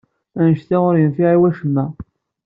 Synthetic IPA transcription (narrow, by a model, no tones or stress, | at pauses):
ænəʃθiʊɾjənfiʕiwæʃəmːæ